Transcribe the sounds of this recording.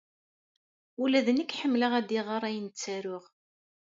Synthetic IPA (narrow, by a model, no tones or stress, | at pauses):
ulæðənəkːħəmːləʁæd̪iʁɑɾˤæjənt͡sːæɾʊʁ